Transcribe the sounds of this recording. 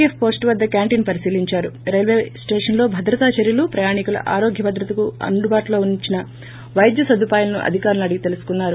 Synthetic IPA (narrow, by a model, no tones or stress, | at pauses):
ieppo̞ːsʈʋɐd̪ːɐkaːɳʈiːnpɐɾisiːliɲt͡ʃaːɾuɾelʋe̞ːsʈeːʂɐnlo̞ːbʱɐd̪ɾɐt̪aːt͡ʃɐɾjɐlupɾɐjaːɳikulɐ̰ʔaːɾo̞ːɡʱjɐbɐd̪ɾɐt̪ɐkuɐ̰nɖ̪ʱubaːʈulo̞ːunit͡ʃinɐ | ʋɐjd̪jɐsɐd̪upaːjulɐnuʔɐ̰d̪ʱikaːɾɐlɐɽiɡit̪e̞lusu̥kunːaːɾu